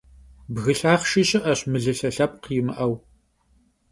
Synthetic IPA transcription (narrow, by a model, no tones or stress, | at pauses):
bɣɨɬaːχʃɪɕʼɪʔɐɕmɨɮɨɬɐɬɐp̚qjɪmɨ̰ʔɐw